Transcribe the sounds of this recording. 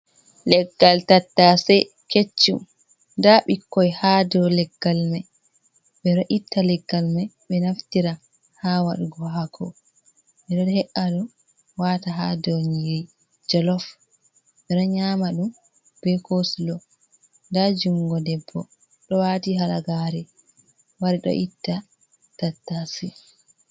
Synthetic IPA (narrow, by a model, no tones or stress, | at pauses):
lɛɡːaltatːasɛ | ket͡ʃːṵ | ndaɓikːɔjhadɔwlɛɡːalmaj | ɓɛɾaʔitːalɛɡːalmajɓɛnaftiɾa | hawaɗuɡɔɦakʰɔ̰ | ɓɛdɛɾhɛʔaɗɔ | wataɦadɔɲiɾi | d͡ʒɔlɔf | ɓɛɗɔɲaːmaɗum | b̥ɛkoslɔ | ndad͡ʒuŋɡɔdɛbːɔ | ɗɔwatiɦalaɡaɾɛ | waɾiɗɔ̰ʔitːa | tatːasi